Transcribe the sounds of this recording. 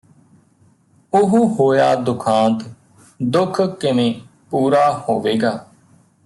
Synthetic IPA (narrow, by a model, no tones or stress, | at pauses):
ʊɦuːɦoːjaːd̪ʊkʰãːnt̪ | d̪ʊkʰkɪmẽː | puːɾaːhoːʋeːɡaː